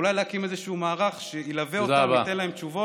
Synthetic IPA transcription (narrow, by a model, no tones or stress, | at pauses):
ulajleakimezeʃuumaːʁaχʃeilaveozabat̪enlaemt͡ʃuvo